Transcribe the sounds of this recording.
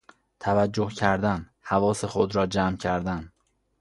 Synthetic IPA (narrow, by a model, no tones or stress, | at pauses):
t̪ʰævæd͡ʒːohcʰæɾd̪æn | hævɒːsexod̪ɾɒːd͡ʒæmcʰæɾd̪æn